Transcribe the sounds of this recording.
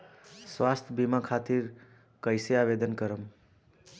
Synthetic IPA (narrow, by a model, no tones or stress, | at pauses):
swast̪ʰjbʱimakʰat̪iɾ | kʌjseabed̪ənkʌɾəm